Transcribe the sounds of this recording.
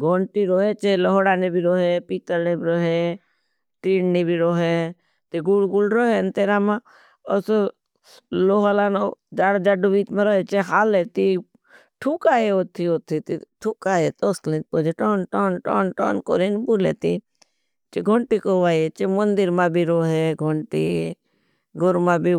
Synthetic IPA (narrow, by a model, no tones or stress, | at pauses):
ɡʱoɳʈiɾoːɦet͡ʃelɔɦoɽanebʱiɾoːɦepit̪əɾnebʱiɾoɦe | ʈiːnnebʱiɾoɦe | t̪iɡulɡulɾoɦent̪eːɾamã | os | loɦalanod͡ʒaːɽd͡ʒaɖuʋiːt̪mãɾoɦet͡ʃeɦaːlet̪i | ʈʰukajeot̪ʰiot̪ʰit̪it̪ʰukaːet̪oslipod͡ʒeʈonʈoːnʈoːnʈo̰ːnko̰ɾinbulḛt̪i | t͡ʃiɡʱoɳʈikoʋaːet͡ʃemənd̪iɾmabʱiɾoɦeɡʱoɳʈi | ɡoɾmabi